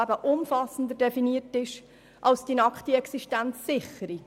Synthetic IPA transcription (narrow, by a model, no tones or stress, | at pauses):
æbəʔʊmfɑsən̩dədɛfiniərtɪʃ | ʔɑlsd̥inɑkχtiɛksiʃtænt͡sːɪχəɾi